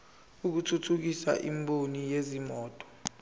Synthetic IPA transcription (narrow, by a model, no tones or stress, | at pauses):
uk̬utʰutʰuk̬isa̰ʔimbonijezimɔːtʼɔ̥